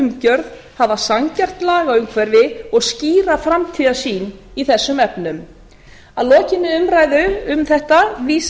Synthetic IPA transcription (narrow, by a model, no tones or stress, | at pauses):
mcœɾð | havasaŋcɛr̥t̪laːɣaʏmkʰvɛɾðɪɔɣsciːɾafɾamt̪ʰiːðasiːn | iθɛsːʏmɛpnʏm | aðlɔːcɪnːɪʏmɾaːjðʏʏmθɛht̪aviːs